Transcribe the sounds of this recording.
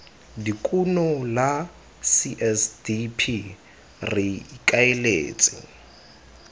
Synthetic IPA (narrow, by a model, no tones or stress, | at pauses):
dikʼunɔla | siʔɛsdipʰi | rɪikʼaelḛːt͡sʼɪ̰